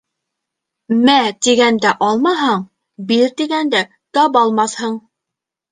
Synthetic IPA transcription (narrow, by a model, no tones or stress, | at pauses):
mæt̪iɡænd̪æʔɑlˠmɑɦɑɴ | biɾt̪iɡænd̪æ | k̪ɑbɑlˠmɑθhɤɴ